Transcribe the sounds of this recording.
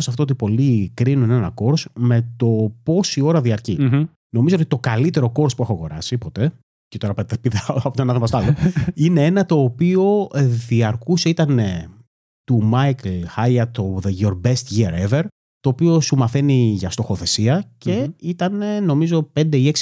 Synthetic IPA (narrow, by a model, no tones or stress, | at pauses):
sɐft̪oot̪̬ipo̞likɾinunenɐ̰ko̞ɾsme̞t̪o̞po̞sio̞ɾɐðiɐɾci | no̞mizoot̪i̥t̪o̞kɐlit̪e̞ɾoko̞ɾspuexoɐɣo̞ɾɐ̰sipo̞t̪e̞ | cet̪o̞ɾɐpet̪epiðɐɐpot̪onɐðomɐst̪oɐloinee̞nɐt̪o̞ːpio̞ðiɐɾkuse̞it̪ɐne | t̪umɐjklxɐjɐt̪oðeʝoɾbest̪ʝiɐɾeveɾ | t̪o̞ːpio̞sumɐθeniʝɐst̪o̞xo̞θe̞siɐce̞it̪ɐneno̞mizo̞pe̞nd̪e̞ie̞ksi̥